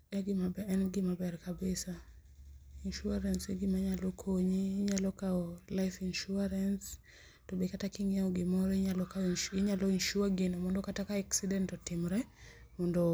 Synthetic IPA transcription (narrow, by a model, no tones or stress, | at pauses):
aɡɪmabɛɛnɡɪmabɛɾkabesa | inʃuaɾanseɡɪmaɲalɔkʰoɲiːɲalɔkaɔlajfinʃuaɾans | tɔbekatakiŋaɔɡɪmɔɾɛalɔkaɪɲalɔinʃuaɡɪnɔmɔndɔkatakaaksidɛntɔtɪmɾɛmɔndɔ